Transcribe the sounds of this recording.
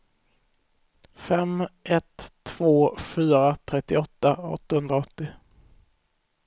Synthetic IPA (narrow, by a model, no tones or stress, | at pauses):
fɛmʔɛt̪ʰːv̥oːfyːɾat̪ʰɾɛt̪ːɪɔt̪ːaɔ̰t̪ːahɵnd̪ɾaɔt̪ːɪ